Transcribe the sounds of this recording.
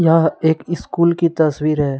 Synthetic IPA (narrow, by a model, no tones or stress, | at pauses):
jɐɦãeːkɪskuːlkit̪ɐswiːɾɦɛː